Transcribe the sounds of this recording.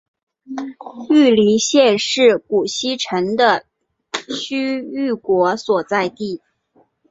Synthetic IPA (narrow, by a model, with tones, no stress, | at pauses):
y˥˩li˧˥ɕjɛ˥˧ʂɻ̩˥˩ku˨˩ɕi˥ʈ͡ʂʰə˧˥ŋd̪ə˧ | ɕy˥y˥˩kwɔ˧˥swɔ˨˩t͡sa˥˧ɪt̪i˥˩